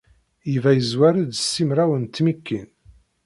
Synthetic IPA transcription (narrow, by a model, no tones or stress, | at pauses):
jivæjəzwæɾid̪sːimɾæwənt̪ːmikːin